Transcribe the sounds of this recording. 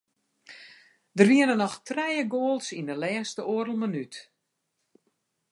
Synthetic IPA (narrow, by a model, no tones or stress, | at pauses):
dərʋiənənɔxtrɛjəɡoːlˠsindəlɛːstəoəɾəl̩ˠmanyt